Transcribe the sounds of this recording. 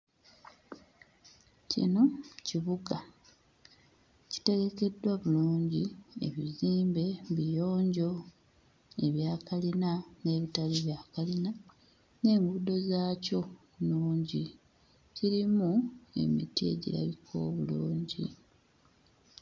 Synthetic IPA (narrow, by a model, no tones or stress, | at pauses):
cḭno̞ciβuɡa | ci̥te̞ɡe̞ke̞dwaβuluːɲɟiḛβiziːmbe̞βijo̞ːɲɟo̞ | e̞βjaːkalinane̞ːβitaleβjakalina | ne̞ːŋɡudo̞zaːco̞ | nuːɲɟi | ciɾimue̞̰mḭtie̞̰ɟḭɾa̰βikʰo̞̰ːβuluːɲɟḭ